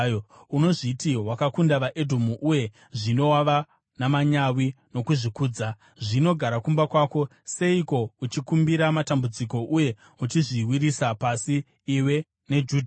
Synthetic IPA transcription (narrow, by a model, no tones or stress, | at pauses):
uno̞ʐitiwakakundaʋaʔe̞dʱomuʔuje̞ | ʐino̞waʋa | namaɲawino̞kuʐikuːd͡za | ʐino̞ɡʱaɾakumbakwaːko̞ | se̞iko̞ut͡ʃikumbiɾamatambud͡ziko̞ʔuje̞ | ut͡ʃiʐiwiɾisapasiː | we̞ | ne̞d͡ʒuːd